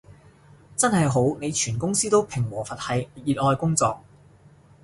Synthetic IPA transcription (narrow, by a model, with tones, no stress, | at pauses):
t͡sɐ˥nhɐ˨jɦo˨˥wne˨˧jt͡ʃʰyː˨˩nkʊ˥ŋsiː˥t̪o˥wpʰɪ˨˩ŋwɔː˨˩fɐ˨t̚hɐ˨˧jjiː˨t̚ɔː˧jkʊ˥ŋt͡sɔː˨˧k̚